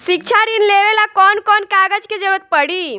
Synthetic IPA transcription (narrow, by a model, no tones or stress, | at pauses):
sik̚t͡ʃʰaɾinleʋelakɔnkɔnkaɡəd͡ʒked͡ʒəɾuət̪̚pəɽi